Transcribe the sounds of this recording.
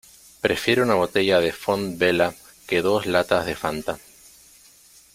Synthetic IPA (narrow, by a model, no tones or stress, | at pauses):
pɾe̞fje̞ɾeunaβ̞o̞t̪e̞ʝað̞efonbela | keðo̞zlat̪azðe̞fant̪a